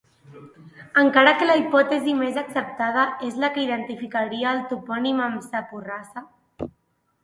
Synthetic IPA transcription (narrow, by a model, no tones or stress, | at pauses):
əŋkaɾakəlaipɔt̪əzimezaksəp̚t̪að̞aezlakəiðənt̪ifikaɾiəːlˠt̪upɔniməmsapurasa